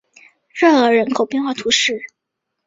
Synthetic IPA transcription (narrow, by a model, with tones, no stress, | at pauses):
ɻɤ˥˩ɤ˧˥ɻə˧˥nkʰo˨˩ʊpjɛ˥˧ŋxwa˥˩t̪ʰu˧˥ʂɻ̩˥˩